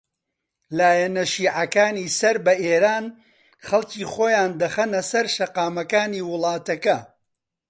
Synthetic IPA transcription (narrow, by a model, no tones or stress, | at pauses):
laːjɛnɐʃiːʕɐkaːniːsɐɾbɐʔeːɾaːn | χɐlˠciːχoːjaːnd̪ɐχɐnɐsɐɾʃɐqaːmɐkaːniːwʊlˠɑːt̪ɐkɐ